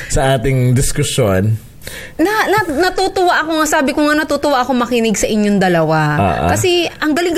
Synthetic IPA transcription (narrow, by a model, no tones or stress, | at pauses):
sɐʔaːt̪ɪŋd̪ɪskʊso̰n | nɐnɐnɐt̪uːt̪ʊwaʔɐkoŋasaːbɪkoŋanɐt̪uːt̪ʊwaʔɐkomɐkɪnɪɡsɐʔɪɲːoŋd̪ɐlɐwao̰ːʔkɐsɛʔɐŋɡɐlɪŋɡ